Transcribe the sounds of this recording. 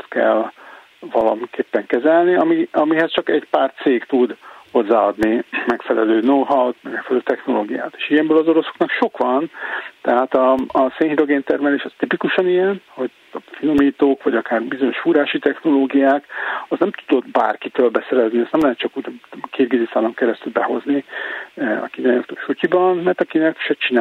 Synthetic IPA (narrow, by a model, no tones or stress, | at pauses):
t̪kɛ̰l | vɒlɒmikeːpːɛŋkɛzɛlniɒmiɒmiɦɛst͡ʃɒkɛɟpaːrt̪seːkt̪ud̪ho̞zːaːɒd̪nimɛkfɛlɛløːnoɦɒwt̪mɛɡmɛkfɛlɛløːt̪ɛxno̞loːɡija̰ːt̪e̥ːʃijɛmbøːlɒzo̞ɾo̞soknɒkʃo̞kʋɒnt̪ɛɦaːt̪ɒːseːnɦiɾo̞ɡeːnt̪ɛrmɛleːʃɛst̪ipikuʃɒnijɛnho̞ɟ | fino̞miːt̪oːkʋɒɟɒkaːrbizo̞ɲo̞ʃfuɾaːʃit̪ɛxno̞loːɡijaːkɒznɛmt̪u̥d̪o̞d̪ba̰ːrkit̪øːlbɛsɛɾɛzniɛst̪nɛmlɛɦɛt̪t͡ʃɒkuːɟkʰeːɾɡid̪isaːlɒŋkɛɾɛst̪ylbɛɦo̞zni | ɒ̰kinano̰kt̪oːʃucibɒnmɛrt̪ɒkinɛkʃɛt͡ʃina